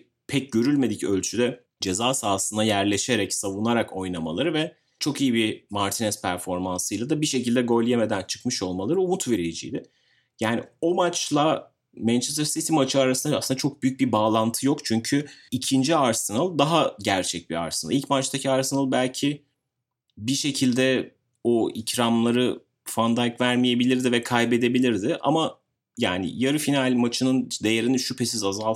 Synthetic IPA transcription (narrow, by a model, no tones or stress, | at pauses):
pʰɛc̚ɟø̞ɾylʲme̞d̪icø̞lʲt͡ʃʰyd̪ɛ | d͡ʒe̞zaːsaːsɯnajæɾlʲe̞ʃe̞ɾɛcsavunaɾako̞jnˠama̰lˠaɾɯvɛ | t͡ʃʰo̞kijibimaɾt̪ʰinɛspʰæɾfo̞ɾmansɯjlˠad̪abiʃe̞cilʲd̪ɛɡo̞lʲijeme̞d̪ænt͡ʃʰɯ̥kmɯʃo̞lˠmalˠaɾɯumut̪ve̞ɾied͡ʒḭjd̪ɪ | jaːnɪo̞mat͡ʃlˠa | mænt͡ʃʰest̪ɾsist̪ʰimat͡ʃʰɯaɾasɯnaasɯnd̪at͡ʃʰo̞k̚byjyc̚bibaːlˠant̪ʰɯjo̞kt͡ʃʰyɲcʰyicʰind͡ʒiaɾsinalˠd̪aɦaɟæɾt͡ʃʰɛc̚bia̰ɾsina̰ilʲcmat͡ʃt̪ʰacʰiaɾsinalˠbælʲcʰɪ | biʃe̞cʰilʲd̪ɛ | oicɾamlˠaɾɯ | fand̪ajkvæɾmije̞bilʲiɾd̪ɪvɛkʰajbe̞d̪e̞bilʲiɾd̪ɪʔa̰ma | ja̰ːnɪ̰jaɾɯfinalʲmat͡ʃʰɯnɯnd̪e̞jeɾiniʃypʰe̞sizazalˠ